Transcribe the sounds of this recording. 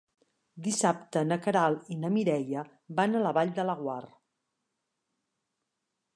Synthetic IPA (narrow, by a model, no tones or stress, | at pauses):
d̪isap̚t̪ənəkəɾalˠinəmiɾɛjə | banələβaʎd̪ələɣwar